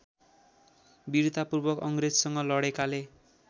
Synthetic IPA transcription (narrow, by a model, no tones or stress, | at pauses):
biɾt̪apurbʌkʌŋɡred͡zsʌŋɡʌlʌɽekale